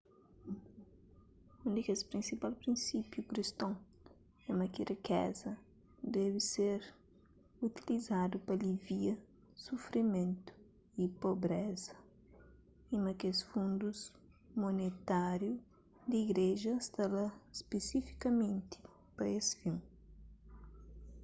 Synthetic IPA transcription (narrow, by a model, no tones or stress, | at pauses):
ũnd̪ikespɾĩnsipalpɾĩnsipjukɾist̪õ | ɛmɐkirikɛ̰zɐ | d̪ɛviseɾ | ut̪ilizad̪upɐliviɐ | sufɾimẽnt̪u̥ | ipobɾɛzɐ | imɐkesfũnd̪uz | monet̪aɾju | d̪iɡɾeʒɐst̪ɐlɐspesifi̥kɐmẽnt̪i̥ | pɐesfiw